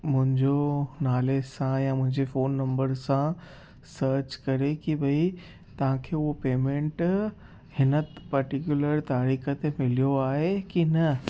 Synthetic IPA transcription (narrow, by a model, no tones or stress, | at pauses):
mʊ̃ɦɪ̃ɲd͡ʑonaːlesãjamʊ̃ɦɪ̃ɲd͡ʑefoːnːɐ̃mbəɾsã | səːɾt͡ɕkɐɾekibʱɐi | t̪ɐʋ̤ãkʰeːʊɦopeːmẽːɳʈ | hɪnəpɐɾʈikjʊləɾt̪aːɾiːxət̪emɪlijoaːɦekinɐ